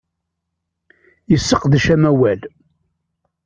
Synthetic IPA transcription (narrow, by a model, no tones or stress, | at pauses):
jəsːəqðəʃæmæwæl